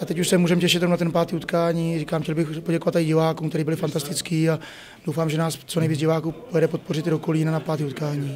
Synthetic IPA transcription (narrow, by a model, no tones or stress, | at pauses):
ʔat̪ɛcuʃsɛmuːʒɛmcɛʃɪt̪ːɾomnat̪ɛnpaːt̪iːut̪kaːɲiːriːkaːmxcʲɛlbɪxpo̞ɟɛkovat̪ːajɪɟɪvaːkuːkt̪ɛɾiːbɪlɪfant̪ast̪ɪt͡skiːa | d̥owfaːmʒɛnaːst͡sonɛjviːd͡zɟɪvaːkuːpojɛdɛpo̞t̪̚po̞rɪt̪ɪdo̞koliːnanapaːt̪iːut̪kaːɲiː